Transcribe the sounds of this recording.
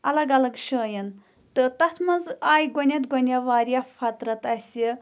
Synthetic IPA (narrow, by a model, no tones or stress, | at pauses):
ɐlɐɡɐlɐɡʃəːjɐn | t̪ɨt̪ɐt̪ʰmɐnzaːjɡonʲɐt̪ɡonʲɐʋaːɾijafɐt̪ɾɐt̪ɐsʲi